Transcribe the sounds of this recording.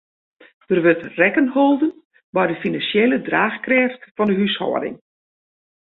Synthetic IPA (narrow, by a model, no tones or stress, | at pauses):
d̥ərʋøtrɛkənholˠdən | bɔjdəfinansjelədraːxkrɛːftfɔndəɦyshɔ̰ːdɪ̰ŋ